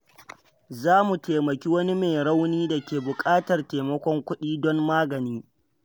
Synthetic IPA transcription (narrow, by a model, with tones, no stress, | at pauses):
zaː˦mu˨teː˨mɐ˨kʲi˦wɐ˦ni˦meː˨ɽa˦wniː˦da˨kʲeː˨bʊ˨kʼaː˦tɐ˨rteː˨mɐ˦kʷɔ˦ŋkʷʊ˦ɗiː˦dɔ˦mːaː˦ɡɐ˨niː˦